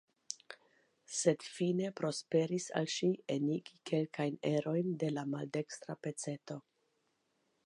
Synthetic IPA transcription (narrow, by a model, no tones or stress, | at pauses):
se̞dfine̞pɾo̞spe̞ɾisa̰lʃieniɡike̞lkajne̞ɾo̞jnde̞lamalde̞kst̪ɾape̞t͡se̞to̞